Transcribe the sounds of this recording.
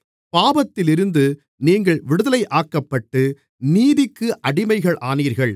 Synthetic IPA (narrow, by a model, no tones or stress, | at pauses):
paːbɐt̪ːɪlɪɾɯnd̪ɯ | niːŋɡɐɭʋɪɽɯðɐlɐɪʔaːkːɐpːɐʈːɯ | niːðɪkːɯʔɐɽɪmɐɪɣɐɭʔaːniːɾɣɐɭ